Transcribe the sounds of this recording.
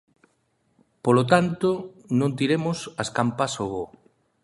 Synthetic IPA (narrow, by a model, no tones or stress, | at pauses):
polot̪ant̪o | nõnt̪̬iɾemʊsɐskampasoβo